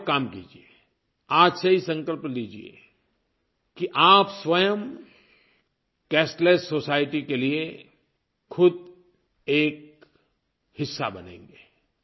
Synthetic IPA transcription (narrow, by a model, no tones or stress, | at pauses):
kaːmkḭːd͡ʒie | aːd͡ʒsɐɦisɐ̃ŋkəlpliːd͡ʒiḛ | kiʔaːpswɐjəm | kɛːsʈleːssːoːsaːɪʈikelie | xʰʊd̪̚ | eːk̚ | hɪsːa̰bɐnḛ̃ːŋɡeː